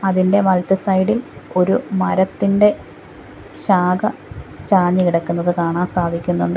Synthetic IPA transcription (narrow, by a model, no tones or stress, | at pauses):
ɐðinde̞ʋɐlt̪ɐsɐjɽilo̞ɾumɐɾɐt̪ːinde̞ | ɕaːɡɐt͡ɕaːɲːiiɽɐkːunːɐðɨkaːɳaːnsaːd̪ʱikʲːunːuɳɖɨ